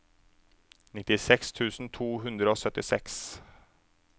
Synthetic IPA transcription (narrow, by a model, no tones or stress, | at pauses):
nɪt̪ːɪsɛkst̪ʰʉːsn̩t̪ʰuːɦʉnd̪ɾəoːsœt̪ːɪsɛks